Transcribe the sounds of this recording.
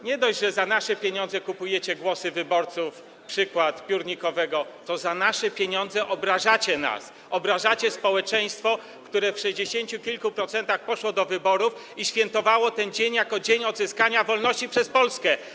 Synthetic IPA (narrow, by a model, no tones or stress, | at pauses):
ɲɛd̪ɔʑʐɛzanaʂɛpʲjeɲɔnzɛkupujɛt͡ɕɛɡwɔsɘvɘbɔɾt̪suf | pʂɘkwat̪pʲjuɾɲikɔvɛɡɔt̪ɔzanaʂɛpʲjeɲɔnd̪zɛʔɔbɾaʐat͡ɕɛna̰s | ɔbɾaʐat͡ɕɛspɔwɛt͡ʂɛj̃st̪fɔ | kt̪uɾɛfʂɛʑd͡ʑeɕeɲt͡ɕukʲilkupɾɔt̪sɛnt̪axpɔʂwɔd̪ɔvɘbɔɾuf | iɕfʲjɛnt̪ɔvawɔt̪ɛnd͡ʑeɲjakɔd͡ʑeɲɔd̪zɘskaɲavɔlnɔɕt͡ɕipʂɛspɔlskɛ